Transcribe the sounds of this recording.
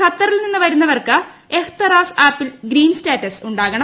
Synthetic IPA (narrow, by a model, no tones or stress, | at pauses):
kʰɐt̪ːɐrilninːɨʋɐɾunːɐʋɐrkɨ | ekʰt̪ɐraːsaːpːilɡɾiːnsʈeːʈːɐsuɳɖaːɣɐɳɐ